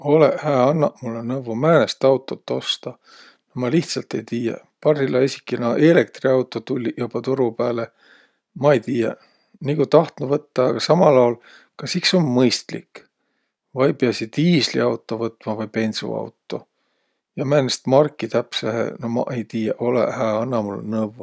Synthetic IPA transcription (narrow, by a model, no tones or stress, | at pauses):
o̞leʔhæːɑnːɑʔmulːenɤwvumæːnest̪ɑwt̪ːˑo̞t̪ːo̞st̪ɑ | nomɑliht̪sɑlt̪e̞jt̪iːjḛ | pɑrsilːɑisʲi̥kːˑinɑʔe̞le̞k̚t̪riɑwt̪ːˑot̪ulʲːijub̥ɑt̪uɾupæːle | mɑejt̪iːjɑ̰ | nikut̪ɑht̪nuvɤt̪ːɑːɡ̥ɑsɑmɑlɑwl | kɑsiksonmɤjst̪lḭkː | vɑjpeɑsid̪̥iːslḭɑwt̪ːˑo̞vɤt̪ːmɑvɑjpe̞nʲsṵɑ̰wt̪ˑːo̞ | jɑmæːnest̪mɑrkːˑit̪æpsehḛnomɑ̰ʔejt̪iːjɑʔolḛhæɑnːɑmul̰nɤvo